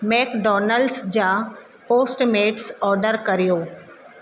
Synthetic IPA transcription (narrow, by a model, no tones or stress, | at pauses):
mɛːkɖɔːnəlɖsd͡ʑaː | poːsʈmeːʈsɔːɾɖəɾkɐɾijoː